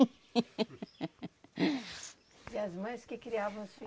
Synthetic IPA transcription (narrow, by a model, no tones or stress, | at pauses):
iɐzmɐ̃j̃skɪkɾiavɐ̃w̃sfi